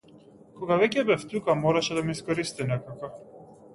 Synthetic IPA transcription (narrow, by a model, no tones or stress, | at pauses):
kɔɡavɛcɛbɛft̪ukamɔɾaʃɛd̪amiiskɔɾist̪inɛkaka